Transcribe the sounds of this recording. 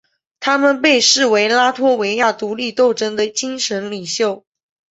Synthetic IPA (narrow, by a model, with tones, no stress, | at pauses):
t̪ʰa˥mə˨npe˥˧ɪʂɻ̩˥˩we˧˥ɪla˥t̪ʰwɔ˥we˧˥ɪja˥˩t̪u˧˥li˥˧t̪o˥˩ʊʈ͡ʂə˥ŋd̪ə˨t͡ɕi˥nʂə˧˥nli˨˩ɕjo˥˨˩ʊ